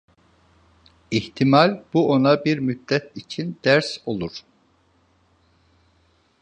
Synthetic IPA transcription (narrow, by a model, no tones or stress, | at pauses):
iht̪ʰimalʲb̥uo̞nabiɾmyt̪lɛt̪it͡ʃʰind̪æɾso̞lˠuɾ̥